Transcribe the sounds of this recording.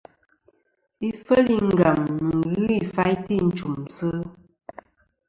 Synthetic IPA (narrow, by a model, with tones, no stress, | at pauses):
i˦fə˦li˦ŋ̩˦˨ɡa˨mnɨ˨ɣɨ˦i˨fa˦jti˦˨n̩˨t͡ʃu˨msə˦